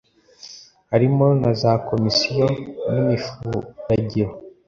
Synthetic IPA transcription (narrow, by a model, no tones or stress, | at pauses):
haɾimo̞nazako̞misijonimifuɾaɟiɾo